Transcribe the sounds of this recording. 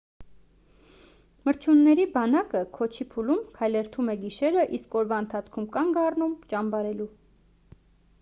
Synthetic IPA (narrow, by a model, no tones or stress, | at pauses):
məɾt͡ʃʰjunːɛɾibɑnɑkəkʰɔt͡ʃʰipʰulumkʰɑjlɛɾt̪ʰumɛɡiʃɛɾəʔiskɔɾvɑənt̪ʰɑt͡sʰkʰumkɑŋɡɑrnumt͡ʃɑmbɑɾɛlu